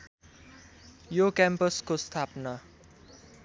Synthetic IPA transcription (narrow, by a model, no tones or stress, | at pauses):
jokampʌskost̪ʰapnʌ